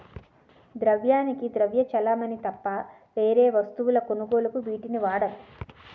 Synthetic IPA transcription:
d̪ɾɐʋjaːnikid̪ɾɐʋjɐt͡ʃɐlaːmɐnit̪ɐpːa | ʋe̞ːɾeːʋɐst̪uʋulɐko̞nuɡo̞ːlukubiːʈiniʋaːɽɐnu

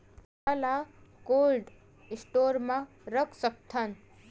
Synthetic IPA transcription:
alakoːlɖ | ɪsʈoːɾmã | ɾəkʰsək̚t̪ʰən

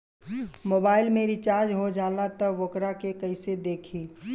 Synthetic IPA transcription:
moːbaːɪlmẽɾit͡ʃaːɾd͡ʒɦod͡ʒaːlat̪ɔʋokɾakekəɪsed̪eːkʰiː

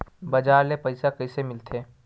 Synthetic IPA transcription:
bɐd͡ʒaːɾlepɐɪsakɐɪsemɪlt̪ʰeː

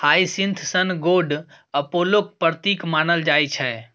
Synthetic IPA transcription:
haːisint̪ʰsənɡoːɖ | ɐpolok̚pəɾt̪iːkmaːnəld͡ʒaːit͡ʃʰɛ

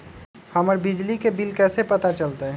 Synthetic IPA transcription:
həməɾbid͡ʒlikebilkɛːsepət̪at͡ʃəlt̪aɦɛ

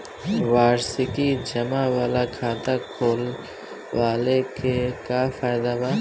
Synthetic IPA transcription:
ʋaːɾsikid͡ʒɐmaʋaːlakʰaːt̪akʰoːl | ʋaːlekekafaːjd̪abaː

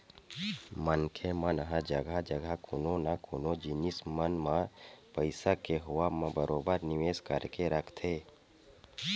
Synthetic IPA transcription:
mənkʰemənɦãd͡ʒəɡʱad͡ʒəɡʱakʊnõnakʊnõd͡ʒɪnɪsmənmãpəɪsakeɦʊamãbəɾʔoːbəɾnɪʋeːzkəɾkeɾəkʰt̪ʰeː

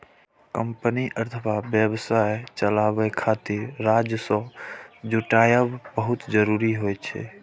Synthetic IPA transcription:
kəmpəniʔəɾt̪ʰəbabjəbsajt͡ʃəlabɛkʰat̪iɾːad͡ʒjəsɔ̃d͡ʒuʈajəbbəɦut̪d͡ʒəɾuɾiɦojt͡ʃʰɛ̰

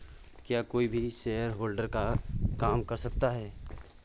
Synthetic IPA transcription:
kjaːkoːibʱiʃeːəɾɦoːlɖəɾkakaːmkɐɾsɐk̚t̪aɦɛː

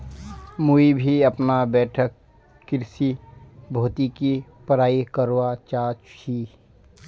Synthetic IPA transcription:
muibʱiɐpnabɛːʈʰəkː | ɪɾsibʱoːt̪ikipɐɾaːikəɾwat͡ʃaːt͡ʃiː

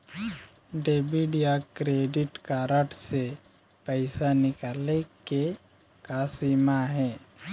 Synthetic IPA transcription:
ɖeːbiɖijakɾeːɖɪʈkaːɾəʈse | pəɪsanɪkaːleke | kaːsimaɦɛ̃ː

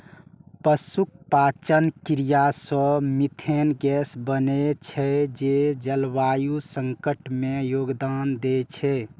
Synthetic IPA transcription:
pəsuk̚pat͡ʃənkiɾijasə̃mit̪ʰenɡɛsbənet͡ʃʰɛd͡ʒed͡ʒəlʋajusəŋkəʈmejoɡd̪and̪et͡ʃʰɛ

